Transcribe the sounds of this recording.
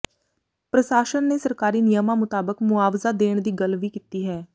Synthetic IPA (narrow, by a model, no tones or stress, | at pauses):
pɾəʃaːʃənːeːsəɾkaːɾiːnɪjəmãːmʊt̪aːbəkmʊaːʋzaːd̪eːɳ̃d̪iːɡəlʋiːkiːt̪iːɦɛː